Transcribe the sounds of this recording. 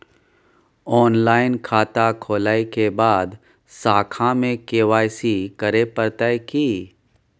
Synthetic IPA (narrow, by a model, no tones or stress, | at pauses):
ɔːnlaːɪnkʰaːt̪akʰoːlaːekebaːd̪ | saːkʰãmẽkeːʋaːjsikəɾepəɾt̪aekiː